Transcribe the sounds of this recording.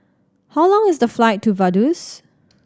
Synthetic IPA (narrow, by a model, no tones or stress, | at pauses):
haʊlɔ̃ŋɪsdəflaɪtʰːuvadus